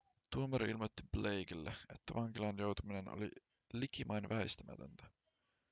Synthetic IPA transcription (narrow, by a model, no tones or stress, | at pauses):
t̪uomeɾilmot̪ːi̥b̥lejkilːee̞t̪ːævɑŋɡilɑnjo̞wt̪umine̞no̞̰lḭ | likimʔɑjnvæḛst̪æmæ̰t̪ø̰nt̪æ